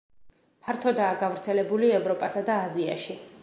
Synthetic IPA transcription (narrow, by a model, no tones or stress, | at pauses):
pʰaɾt̪ʰɔd̪aːɡavɾt̪sʰɛlɛbuliɛvɾɔpʼasad̪aːzia̰ʃi